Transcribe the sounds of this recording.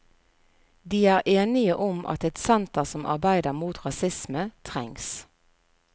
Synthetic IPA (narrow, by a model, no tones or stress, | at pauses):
d̪iːæːʁʔeːnɪəʔʊmʔɑ̰t̪ɛt̪sɛnt̪əʁsɔmʔɑ̰ʁbæɪd̪əʁmuːt̪ʁɑsɪsmət̪ʰʁɛ̰ŋs